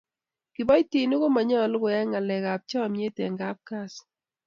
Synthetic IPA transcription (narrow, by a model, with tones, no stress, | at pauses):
kɪ˨bɔ˦jti˨ni˦ko˦ma˨ɲɔ˦˨lʊ˦kʊ˨ɛ˦ŋa˨lɛ˨ka˨p̚t͡ʃɔ˦˨mje˦tɛ˨ŋɡa˦p̚ka˦˨s